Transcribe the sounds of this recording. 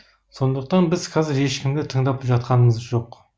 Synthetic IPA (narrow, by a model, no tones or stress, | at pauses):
so̞nd̪əq̚t̪ɑnbɪzqʰɑzɪɾe̞ʃkʲɪmd̪ɪt̪ʰəɴd̪ɑpʒɑt̪̚qɑnəməzʒo̞q